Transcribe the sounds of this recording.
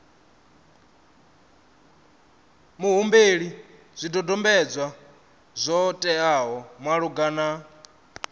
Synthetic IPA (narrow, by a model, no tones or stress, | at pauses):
muɦumbeɺi | zʷidɔdɔmbɛd͡zwa | zʷɔtʼɛaɦɔmwaɺuɡana